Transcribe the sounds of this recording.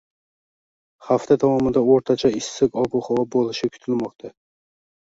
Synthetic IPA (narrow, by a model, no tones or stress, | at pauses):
haft̪ʰat̪ʰawɒmɪnd̪aoɾt̪ʰat͡ʃʰaɪsːɪkɒbuχɒwɒbolˠɪʃɪkʲʰʊ̥t̪ʰɪlmɒq̚t̪ʰa